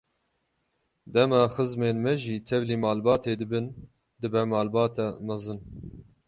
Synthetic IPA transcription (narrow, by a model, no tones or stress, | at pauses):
d̪ɛmɑːxɨzmeːnmɛʒiːt̪ʰɛvliːmɑːlbɑːt̪ʰeːd̪ɨbɨn | d̪ɨbɛmɑːlbɑːt̪ʰɛmɑzɨn